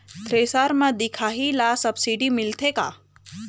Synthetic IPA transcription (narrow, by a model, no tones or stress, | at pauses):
t̪ʰɾeːsaːɾmãd̪ɪkʰaːɦilaːsɐbsiɖimɪlt̪ʰeka̰ː